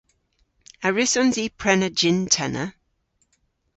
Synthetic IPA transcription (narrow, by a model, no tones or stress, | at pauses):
əɹɪsɔnziːpʰɹ̥ɛnəd͡ʒɪntʰɛnə̰